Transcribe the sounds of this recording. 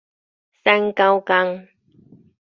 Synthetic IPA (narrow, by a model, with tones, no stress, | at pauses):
sa˧˥nka˧wka˧ŋ